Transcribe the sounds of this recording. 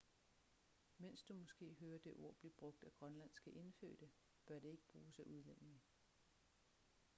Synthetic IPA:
mensd̥umɒ̽sɡ̥e̝̰ːɦøːɐd̥e̝ʔo̝ɐ̰b̥lib̥ʁɔ̽ɡ̥̚d̥æɡ̥ʁɶnlæn̰sɡ̥æʔe̝nfø̰ːd̥ə | b̥ɶɐɾ̥e̝e̝ɡ̥əb̥ʁuːsæʔuð̞ˠlem̰eŋə

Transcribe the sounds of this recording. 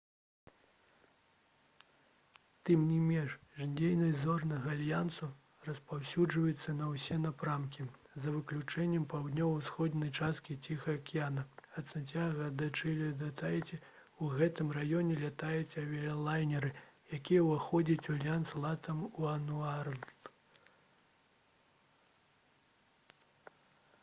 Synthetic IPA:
t̪ɨmnʲimʲɛnʂʐdʲejnɐjzɔrnɐɣɐalʲjansu | rɐspawsʲud͡ʐvɐjut̪sːɐnɐwsʲɛnapɾamkʲi | zɐvɨklʲut͡ʂɛnʲːɛmpawd̪nʲɔwwsxɔd̪nʲɐjt͡ʂast̪̚kʲit͡sʲixɐɐkʲijanɐɐt̪sɨnʲt͡sʲjaɣɐd̪at͡ʂɨlʲɛd̪at̪ʰajɛt͡sʲɛ | uɣɛt̪ɨmrajɔnʲɛlʲat̪ajɛt͡sʲɐvʲɛɐlˠajnʲɛɾɨjakʲijɛwaxɔd͡zʲɐt͡sʲualʲjanslˠat̪ɐmuɐnuar

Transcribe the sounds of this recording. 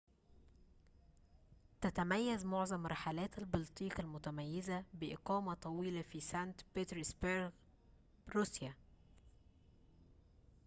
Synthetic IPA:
t̪æt̪æmæjːæzmoʕzˤɑmɾɑħalæːt̪ælbɑlt̪ˤiːkælmʊt̪æmæjːɪzæbɪʔɪqɑːmæt̪ˤɑwiːlɑfiːsænt̪bet̪ɾisbeɾɡ | ɾusjæ

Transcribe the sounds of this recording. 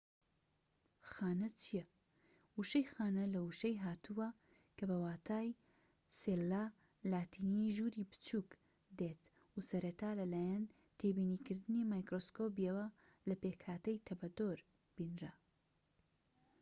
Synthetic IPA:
xaːnɐt͡ʃʰijɛ | uʃɐjxaːnɐlɐuʃɐjɦaːt̪ʰuwɐ | kʰɐbɐwaːt̪ʰaːj | selːa | laːt̪ʰiːniʒuːɾiːbɨ̥t͡ʃʰuk | d̪eːt̪ | usɐɾɐt̪aːlɐlaːjɐn | t̪ʰeːbiːniːkɨɾd̪ɨnimaːjkɾoskoːp̬ijewɐ | lɐpeːkhaːt̪ɐjt̪ʰɐbɐd̪oɾ | b̥iːnɾɐ

